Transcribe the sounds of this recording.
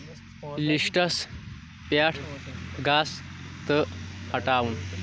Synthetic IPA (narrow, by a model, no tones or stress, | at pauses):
lisʈəs | pjaʈʰɡast̪əhəʈawun